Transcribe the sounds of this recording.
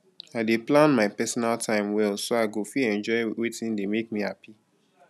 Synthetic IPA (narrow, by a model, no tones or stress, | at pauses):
aɪdeplãnmaɪpɛsɔnaltʰãɪ̃mwɛlsoaɪɡofiɛ̃nd͡ʒɔɪwetĩndemek̚mihapi